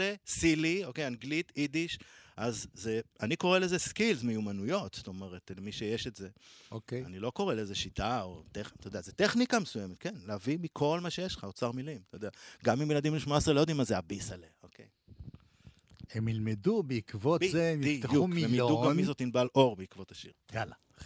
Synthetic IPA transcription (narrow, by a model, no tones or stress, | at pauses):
lesiliokejaŋɡlit̪id̪iʃʔazzeaniko̞ʁelezeskilzmejumanujo̞tst̪o̞me̞ʁetlemiʃejeʃetze̞okeanilo̞ko̞ʁeleezeʃitao̰t̪eχt̪aojd̪eazet̪eχnikamesujemet̪̚ke̞nleavimikʰo̞lmaʃejeʃlχaot͡saʁmilimt̪ajodeaɡamimjelad̪imleʃmoasʁelojod̪imazeabisaleokʰḛj | emilmedubeikvotbieemjiieuuemiduɡamːizotninbalʔo̞ʁbeikvotaʃiʁɡala